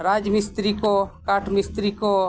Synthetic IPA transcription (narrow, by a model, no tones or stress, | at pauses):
ɾaːd͡ʒmɪst̪ɾikokaːʈʰmɪst̪ɾiko